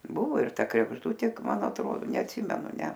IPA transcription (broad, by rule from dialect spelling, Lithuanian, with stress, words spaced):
ˈbʊʋoː ɪr ˈtɐ krʲɛɡʒˈdʊtʲeː ˈmɐn ɐtˈroː nʲɛɐtʲˈsʲiːmʲɛnʊ ˈnʲɛ